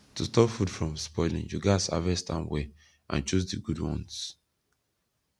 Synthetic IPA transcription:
tustɔpfudfɹɔ̃mspɔɪlḭ̃ŋjuɡasa̰vɛstʰã̰nwe | ʔã̰nt͡ʃuzdiɡudwɔ̰̃ns

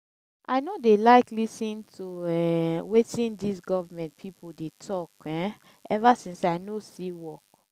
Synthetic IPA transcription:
ʔa̰ɪnodelaɪklisĩntʰuɛwetĩndisɡɔvamɛ̃nt̚pʰipodetʰɔkɛ̃ | ɛvasĩnsaɪnosiwɔk

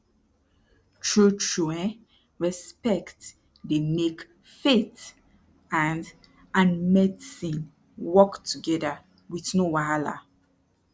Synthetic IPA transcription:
t͡ʃʰɹut͡ʃɛ̃n | ɹɛspɛkt | demek | fet | ãnd | ãnmɛdsĩn | wɔktʰuɡɛda | wiθnowaala̰

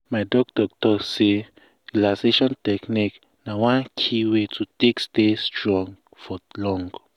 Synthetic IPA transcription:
maɪdɔk̚dɔk̚tɔse | lãseʃɔ̃ntɛknik | nawãnkʰiwetʰutĩkstestɹɔ̃ŋ | fɔlɔ̃ŋɡ

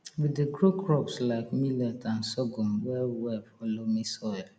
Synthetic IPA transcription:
wideɡɹukɹɔpslaɪkmilɛtʰãnsɔɡumwɛlwɛlfɔlomisɔɪl

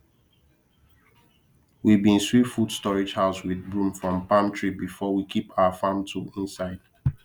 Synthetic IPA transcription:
wivbĩnswitfud̥stɔɹid͡ʒhaʊswiðbɹũmfɹɔ̃mpãmtʰɹibifɔwikʰipaʊəfãmtʰuĩnsaɪd̥

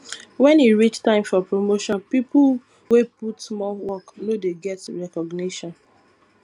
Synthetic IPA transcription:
wɛ̃niɹit͡ʃtãɪ̃mfɔpɹomoʃɔ̃npipu | weputsmɔwɔknodeɡɛtɹɛkɔɡniʃɔ̃n

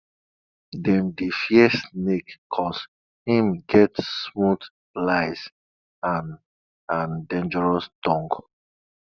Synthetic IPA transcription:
dɛ̃ndifjɛsnekkʰːɔs | hĩmɡɛtsmut | laɪs | ãn | ãndẽnd͡ʒəɹɔsd̥ɔ̃ŋɡ

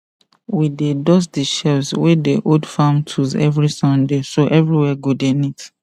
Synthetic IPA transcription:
widedɔs̬deʃɛvswɛdeʔodfãmtʰuzɛ̰vɹisɔ̃ndesoʔɛvɹiwɛɡodenit

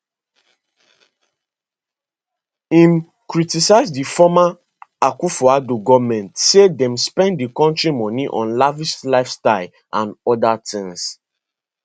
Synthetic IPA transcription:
ĩm | kɹitisaɪzdifɔma | akufɔadoɡɔvmɛ̃ntsedɛ̃mspɛ̃nddikɔ̃ntɹimɔ̃niʔɔ̰̃nlaviʃlaɪfstaɪl | ʔãnɔdatʰĩŋs

